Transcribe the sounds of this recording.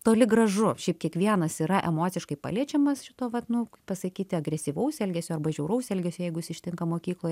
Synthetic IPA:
t̪oːlʲɪɡɾɐʒʊʃʲɛɪp̚kʲiɛkʋʲiɛnɐsiɾɐʔɛ̰moːt̪sʲɪʃkɐɪpɑ̰ːlʲiɛt͡ʃʲɛmɐsʃʲɪt̪oːʋɐt̪nʊpɐsɐkʲiːt̪ʲɪɐɡɾʲɛsʲiːʋɐʊsɛlʲɡʲɛsʲʊɐrbɐʒʲɛʊɾɐʊsɛlʲɡʲɛsʲojɛɪɡʊsʲɪʃʲt̪ʲɪŋkɐmoːkʲiːklˠoːj

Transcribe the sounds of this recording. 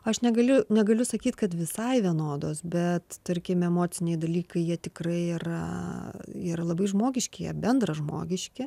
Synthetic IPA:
ɐʃnʲɛɡɐlʲʊnʲɛɡɐlʲʊsɐkʲiːt̪kɐt̪ʋʲɪsɐɪʋʲiɛnoːd̪oːsbʲɛt̪t̪ɐrʲkʲɪmɛmoːt͡s̪ʲɪnʲɛɪd̪ɐlʲiːkɐɪjiɛt̪ʲɪkrɐɪiːrɐ̰ | iːɾɐlˠɐbɐɪʒmoːɡʲɪʃʲkʲɪjḭɛbʲɛnd̪rɐʒmo̰ːɡʲɪʃʲkʲɪ

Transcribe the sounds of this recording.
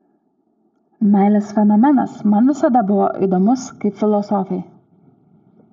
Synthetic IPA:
mʲæˑɪlʲesfʲɛnɔmʲɛnɐ̰smɐnʋʲɪsɐd̪ɐbʊʋo̰ʔḭd̪oːmʊskɐɪpʲfʲɪlˠɔsɔfʲɛj

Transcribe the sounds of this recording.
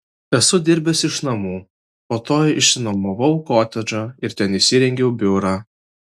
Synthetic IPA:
ɛsʊd̪ʲɪɾʲbʲɛsʲɪʃnɐmuː | poːt̪oːjɪʃsʲɪnomoʋɐʊkoːt̪ʲɛd͡ʒʲoːɪɾt̪ʲɛnɪʃʲsʲɪɾʲɛŋʲɡʲɛʊbʲʊɾa

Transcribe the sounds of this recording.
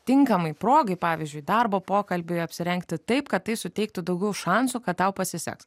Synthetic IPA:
t̪ʲɪŋkɐmɐɪpɾoːɡɐɪpɑːʋʲɪzʲd͡ʒʲʊɪd̪ɑrboːpoːkɐlʲbʲʊɐpʲsʲɪɾʲɛŋkt̪ʲɪt̪ɐɪpkɐt̪t̪ɐɪsʊt̪ʲɛɪk̚t̪ʊd̪ɐʊɡʲɛʊʃɑnsuːkɐt̪̚t̪ːɐʊpɐsʲɪsʲɛ̰ks

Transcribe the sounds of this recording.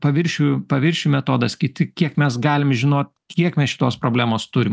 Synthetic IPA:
pɐʋʲɪɾʲʃʲupɐʋʲɪɾʲʃʲumʲɛt̪oːd̪ɐskʲɪt̪ʲɪkʲiɛkmʲɛsɡɑːlʲɪmʒʲɪnoːt̪̚ʲkʲiɛkmʲɛsʃʲɪ̥t̪oːspɾoːblʲæːmoːst̪ʊɾʲɪm

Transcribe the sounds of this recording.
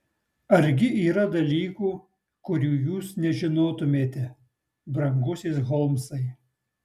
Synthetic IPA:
ɐɾʲɡʲɪʔiːɾɐd̪ɐlʲiːkuː | kʊɾʲuːjuːsnʲɛʒʲɪnoːt̪ʊmʲeːt̪ʲɛ | bɾɐŋɡʊsʲeːsɣɔlˠmsɐɪ

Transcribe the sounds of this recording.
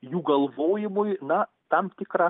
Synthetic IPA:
juːɡɐlˠʋoːjɪmʊjnɐ | t̪ɐmpʲt̪ʲɪkɾɑ

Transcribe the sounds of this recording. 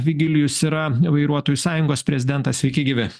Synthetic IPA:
ʋʲɪɡʲɪlʲɪjʊsiɾɐʋɐɪɾuɔt̪oːjusɑːjʊŋɡoːspʲɾʲɛzʲɪd̪ʲɛnt̪ɐsʲʋʲɛɪkʲɪɡʲɪʋʲɪ

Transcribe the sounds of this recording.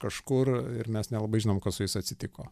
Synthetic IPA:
kɐʃkʊrɪɾmʲɛsnʲɛlˠɐbɐɪʒʲɪnoːmkɐssʊjɪsɐt̪ʲsʲɪt̪ʲɪkoː

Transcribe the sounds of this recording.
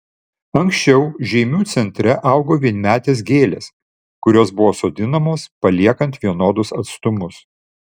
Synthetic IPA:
ɐŋksʲt͡ʃʲɛʊʒʲɛɪmʲuːt̪sʲɛnʲt̪ʲɾʲɛʔɐˑʊɡoːʋʲiɛnʲmʲæːt̪ʲeːsɡʲeːlʲḛːs | kʊɾʲoːsbʊʋoːsoːd̪ʲɪnɐmoːspɐlʲiɛkɐnt̪ʋʲiɛnoːd̪ʊsɐt̪st̪ʊmʊs

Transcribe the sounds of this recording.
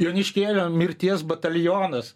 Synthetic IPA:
joːnʲɪʃʲkʲeːlʲoːmʲɪɾʲt̪ʲiɛsbɐt̪ɐlʲjoːnɐs

